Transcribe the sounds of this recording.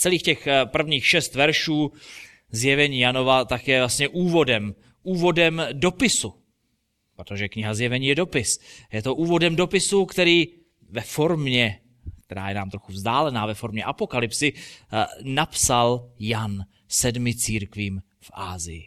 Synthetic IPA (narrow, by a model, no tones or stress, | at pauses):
t͡sɛliːxcɛxpr̩vɲiːxʃɛst̪vɛɾʃuː | zjɛvɛɲiːjano̞vat̪akjɛvlast̪ɲɛʔuːvo̞dɛm | ʔuːvo̞dɛmdo̞pɪsu | pɾot̪oʒɛkɲɪɦazjɛvɛɲiːjɛdo̞pɪsjɛt̪o̞ʔuːvo̞dɛmdo̞pɪsukt̪ɛɾiː | vɛfo̞ɾmɲɛ | k̚t̪ɛɾa̰ːjɛnaːmt̪ɾo̞xuvzdaːlɛnaːvɛfo̞ɾmɲɛʔapo̞kalɪpsɪ | napsaljan | sɛdmɪt͡siːɾkviːm | fʔa̰ːzɪjɪ̰